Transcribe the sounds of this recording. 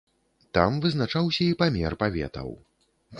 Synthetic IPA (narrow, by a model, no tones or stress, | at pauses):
t̪amvɨznat͡ʂawsʲɐipamʲɛrpavʲɛ̰t̪ɐ̰w